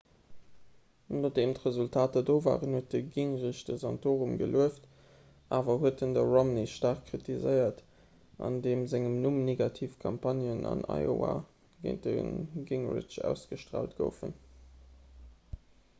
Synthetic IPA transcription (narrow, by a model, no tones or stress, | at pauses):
noːdeːmtʁəzultʰaːtədoːva̰ːʁənhuət̚dəɡiŋʁiʃd̥əzɑntʰoːʁumɡə̰lʔuəft | ʔaːvɐɦuətəndəʁomniʃtaːʁkkʁitizəɪɐt | ʔɑ̰ndeːmzæŋəmnumneɡɑtʰiːfkʰɑmpʰɑnjənɑ̰nɑ̰ɪo̰a̰ | ɡə̰ɪnt̚də̰nɡiŋʁɪ̰t͡ʃæ̰ʊsɡ̥əʃtʁa̰ːltɡ̥ə̰ʊfə̰n